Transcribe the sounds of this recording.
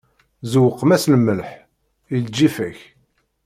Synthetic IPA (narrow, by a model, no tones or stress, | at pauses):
zəwəqːmæslmːəlħ | ild͡ʒːifæç